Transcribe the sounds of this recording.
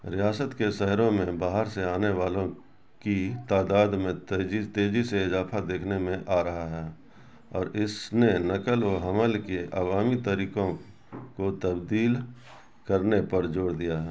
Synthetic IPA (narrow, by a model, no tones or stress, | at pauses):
ɾɪjaːsət̪keʃɛɦɾõmẽbaːɦəɾseaːneʋaːlõ | kit̪aːd̪aːd̪mẽt̪ːd͡ʒit̪eːd͡ʒiseɪzaːfʰad̪eːkʰnemẽʔaːɾɐɦaɦɛː | ɔːɾɪsnenəkəloɦəməlkeʔa̰ːʋaːmit̪əɾiːkõ | kot̪əbd̪iːl | kəɾnepɐɾd͡ʒoːɽd̪ijaɦɛː